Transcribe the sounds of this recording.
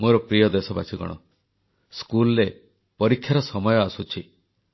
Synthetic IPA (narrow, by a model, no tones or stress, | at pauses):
moɾɔpɾijɔd̪esɔba̰sʰiɡɔ̰ɽ̃ɔ̰ | skulɔɾe | pɔɾikʰːjaɾɔsɔmɔjɔasut͡ʃʰi